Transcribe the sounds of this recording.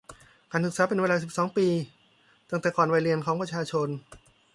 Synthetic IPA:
kaː˧nʰɯ˨˩k̚saː˩˦pe˧nweː˧laː˧si˨˩p̚sɔː˩˦ŋpiː˧ | t̪a˧ŋt̪ɛː˨˩kɔː˨˩nwa˧jɾi˧ənkʰɔː˩˦ŋpɾa˧t͡ɕʰaː˧t͡ɕʰo˧n

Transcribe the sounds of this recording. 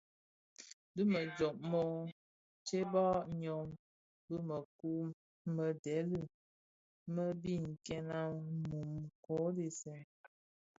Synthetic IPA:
bɨ˦mə˨d͡ʒɔ˨ʔmɔ˦ | t͡ʃe˦bɔ˦ɲɔ˨m | bɨ˦mə˨ku˦ | mə˨dɛ˨˦lɨ˦˨ | mə˦bi˦˨ŋ̩˨kɛ˦na˦mu˨mko˨˦de˦sɛ˨

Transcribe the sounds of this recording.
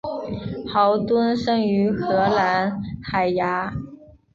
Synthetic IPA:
xɑ˧˥ʊt̪wə˥nʂɤ˥ŋy˧˥xɤ˧˥la˧˥nxa˨˩ɪja˧˥

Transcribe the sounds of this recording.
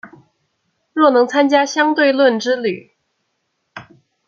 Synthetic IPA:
ɻwɔ˥˩nɤ˧˥ŋt͡sʰa˥nt͡ɕja˥ɕjɑ˥ŋt̪we˥˧ɪlwə˥˩nʈ͡ʂɻ̩˥ly˨˩˦

